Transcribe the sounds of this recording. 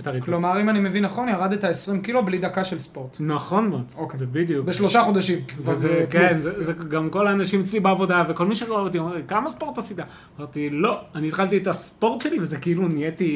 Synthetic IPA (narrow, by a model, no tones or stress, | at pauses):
et̪aʁilomaʁimanime̞vinːaχo̞njaʁad̪etaesʁimkiloblid̪akaʃelspo̞ʁt̪naχo̞nmod̪okezebid̪jukbeʃlo̞ʃaχo̞d̪aʃimvezekenzezeɡamko̞laːnaʃimet͡slibeavo̞daveko̞lmiʃeaot̪̬iomaʁikamaspo̞ʁt̪asit̪a | maʁt̪ilo̞aniːt̪χalt̪iet̪aspo̞ʁtʃelivezekeilunijeti